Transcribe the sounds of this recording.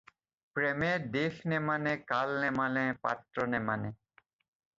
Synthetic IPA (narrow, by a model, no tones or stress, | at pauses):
pɾemed̪exʰnemanekalnemanepa̰t̪ɾonemane